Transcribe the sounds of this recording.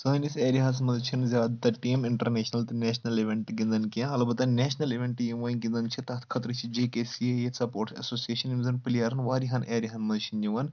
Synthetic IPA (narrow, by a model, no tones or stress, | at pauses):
sɐːniseːɾiɦas̬mɐzt͡ʃʰinzʲjaːd̪t̪ɐʈiːmiɳʈɐɾneːʃnɐlt̪ɨneːʃnɐliʋʲeɳʈɡĩnd̪ɐnkijãɐlɐbɐt̪ɐneːʃnɐliʋʲẽɳʈjiʋɐːnɡĩnd̪ɐnt͡ʃʰit̪ɐt̪ʰkʰɐt̪ɾɨt͡ʃʰid͡ʒeːkeːsiejesɐpoːɾʈsɐ̰soːsieːʃɐnimzɐnpɐlijaːɾɐnʋaːɾiɦɐnʔeːɾiɦɐnmɐzt͡ʃʰinjiʋɐn